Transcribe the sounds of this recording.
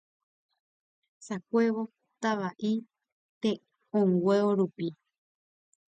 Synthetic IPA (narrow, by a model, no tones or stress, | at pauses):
sakʷe̞ʋo̞ | t̪aʋaʔi | t̪e | õŋɡwʷeoɾupi